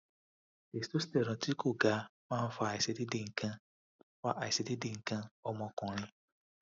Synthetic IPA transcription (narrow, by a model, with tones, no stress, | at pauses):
e˨sto˦stɛ˨ɾɔ̃˨ti˦ko˦˨ɡa˨˦mãː˦˨n̩˦fa˦˨ɪ˨se˨di˦de˨ŋ̩˨kã˦ | fa˦ʔa˨i˨se˨di˦de˨ŋ̩˨kã˦ɔ˦mɔ̃˦kɔ̃˨ɾ̃ɪ̃˦